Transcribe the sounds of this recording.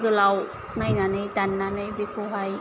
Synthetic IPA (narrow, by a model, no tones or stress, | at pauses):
ɡɯlaw | najnanajt̪anːanajbekʰohaj